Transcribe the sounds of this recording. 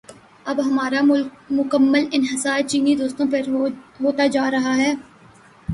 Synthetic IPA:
ɐbɦɐmaːɾamʊkəmːəlɪnɦɪsaːt͡ʃiːnid̪oːst̪õpɐɾɦoːt̪ad͡ʒaːɾɐɦaɦɛː

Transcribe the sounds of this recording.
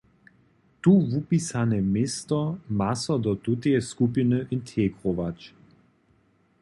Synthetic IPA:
t̪uvupisanɛmeːst̪ɔmasɔd̪ɔt̪ut̪eɛskupinəʔint̪ʰeɡʁoʋat͡ʃ

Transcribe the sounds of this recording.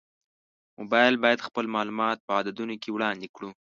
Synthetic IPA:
mo̰bɑjlbɑjad̪xpəlmɑlumɑt̪̚pəɑd̪ad̪unokewɽɑnd̪ekɽu

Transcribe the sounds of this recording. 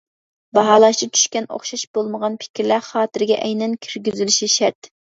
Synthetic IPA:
bɑɦɑːlˠɑʃt͡ʃ̪ʰɪt͡ʃʰy̥ʃkʲɛno̰χʃɑʃb̥olˠməʁɑnpʰɪ̥kʲiɾlæχɑːt̪ɪɾɪɡʲɛʔɛjnɛnkʲʰiɾɡʲyzylyʃiʃɛɾt̪

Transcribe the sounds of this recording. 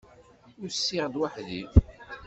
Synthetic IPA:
ʊɾsːiʁd̪waħðḭθ

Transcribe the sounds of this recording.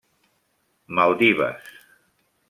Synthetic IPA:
malˠd̪iβa̰s

